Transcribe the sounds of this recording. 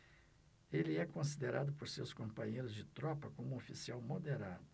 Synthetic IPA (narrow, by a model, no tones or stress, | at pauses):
elɪɛkõsid̪eɾad̪ʊpoɾsewskõmpɐ̃ɲejɾʊzd͡ʒɪt̪ɾɔpɐkõmũofisiawmod̪eɾad̪ʊ